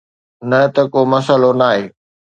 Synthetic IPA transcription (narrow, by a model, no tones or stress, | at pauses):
nɐt̪ɐkomɐsəlonaːɦeː